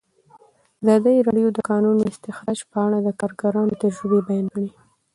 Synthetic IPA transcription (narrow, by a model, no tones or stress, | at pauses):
azɑd̪əjɾɑɖjod̪əkɑnunoɪst̪ɪxɾɑd͡ʒpəaɽad̪əkɑɾɡaɾɑnot̪əɾʒəbebajɑnɡaɽi